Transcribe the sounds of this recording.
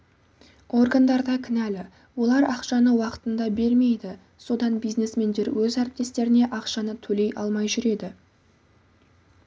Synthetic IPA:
o̞rɡand̪ɑɾd̪ɑkʲʰɪnælɪ | wo̞lˠɑɾɑqʃɑnəwɑqə̥t̪ənd̪ɑbe̞ɾme̞jd̪ɪ | so̞d̪ɑnbijzne̞sme̞nd̪e̞ɾwɵzæɾɪp̚t̪e̞st̪e̞ɾɪne̞ʔɑqʃɑnət̪ʰɵle̞jʔɑ̰lˠmɑjʒʏɾe̞d̪ɪ

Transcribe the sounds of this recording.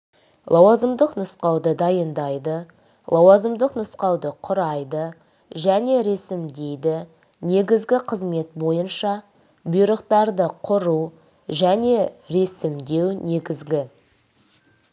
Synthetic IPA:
lˠɑwɑzəmd̪əqnʊsqɑwd̪əd̪ɑjənd̪ɑjd̪ə | lˠɑwɑzəmd̪əqnʊsqɑwd̪əqʰʊɾɑjd̪ə | ʒæne̞ɾe̞sɪmd̪e̞jd̪ɪ | ne̞ɡʲɪzɡʲɪqʰəzme̞t̪̚bo̞jənʃɑ | bʊjɾəqt̪ɑɾd̪əqʰʊɾu | ʒæne̞ɾe̞sɪmd̪e̞wne̞ɡʲɪzɡʲɪ

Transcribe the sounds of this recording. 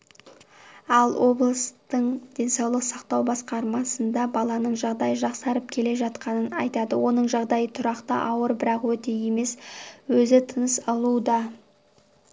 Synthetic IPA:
ɑlˠwo̞blˠəst̪əɴd̪̥e̞nsɑwlˠəqsɑqt̪ɑwbɑsqɑɾmɑsənd̪ɑbɑlˠɑnəɴʒɑʁd̪ɑjəʒɑqsɑɾəp̚kʲʰe̞le̞ʒɑt̪qɑnənɑ̰jt̪ɑd̪əwo̞nəɴʒɑʁd̪ɑjət̪ʰʊɾɑqt̪ə̰ʔɑwəɾbɪɾɑqwɵt̪e̞je̞me̞swɵzɪt̪ʰənəsɑlˠud̪ɑ

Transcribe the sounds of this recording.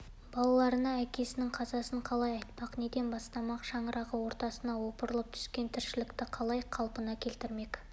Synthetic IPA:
b̥ɑlˠɑlˠɑɾənɑækʲe̞sɪnɪŋqʰɑzɑsəɴqʰɑlˠɑjɑjt̪̚pɑqne̞d̪e̞nbɑst̪ɑmɑqʃɑɴəɾʔɑʁəwo̞ɾt̪ɑsənɑwo̞pəɾəlˠəp̚t̪ʰʏ̥skʲe̞nt̪ʰɪɾʃɪlɪkt̪ɪqʰɑlˠɑjqʰɑlˠpənɑkʲʰe̞lt̪ɪɾme̞k

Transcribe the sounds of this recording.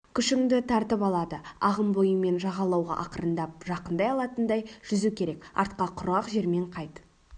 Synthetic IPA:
kʲʰʏʃɪŋd̪ɪt̪ʰɑɾt̪əpɑlˠɑd̪əɑʁəmbo̞jəme̞nʒɑʁɑlˠɑwʁɑ̰ʔɑqəɾənd̪ɑp̚ʒɑqənd̪ɑjɑlˠɑt̪ənd̪ɑjʒ̥ʏzukʲʰe̞ɾe̞kɑ̰ɾt̪̚qɑqʰʊɾɑqʒe̞ɾme̞ɴqʰɑjt̪

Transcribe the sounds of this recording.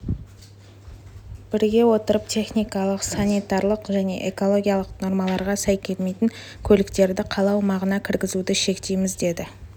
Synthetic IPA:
b̥ɪɾɡʲe̞wo̞t̪əɾəp̚t̪ʰe̞χnijkɑlˠəqsanijt̪ɑɾlˠəqʒæne̞̰ʔe̞ko̞lˠo̞ɡʲijɑlˠəqno̞ɾmɑlˠɑɾʁɑsæjkʲʰe̞lmejt̪ɪŋ | kʲʰɵlɪkt̪e̞ɾd̪ɪqʰɑlˠɑwmɑʁənɑkʲʰɪɾɡʲɪzud̪ɪʃe̞kt̪e̞jmɪzd̪e̞d̪ɪ

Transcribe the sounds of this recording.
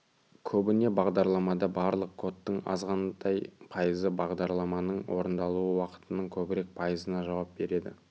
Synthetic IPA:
kʲʰɵbɪne̞bɑʁd̪ɑɾlˠɑmɑd̪ɑbɑɾlˠəq̚kʰo̞t̪ːəɴɑ̰zʁɑnd̪ɑjpʰɑjəzəbɑʁd̪ɑɾlˠɑmɑnəɴwʔo̞̰ɾənd̪ɑlˠuəwɑqə̥t̪ənəɴkʲʰɵbɪɾe̞k̚pʰɑjəzənɑʒɑwɑp̚be̞ɾe̞d̪ɪ̰

